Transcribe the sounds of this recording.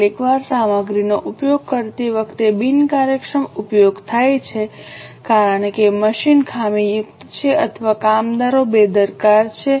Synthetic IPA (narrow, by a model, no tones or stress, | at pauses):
likʋaɾsaməɡɾinoʔupjoɡ̚kəɾt̪iʋəkʰt̪ebinkaɾjəkʂəmupjoɡt̪ʰajt͡ʃʰekaɾəɳkeməʃinkʰamijʊkt̪t͡ʃʰeʔət̪ʰəʋakamd̪aɾobed̪əɾkaɾt͡ʃʰe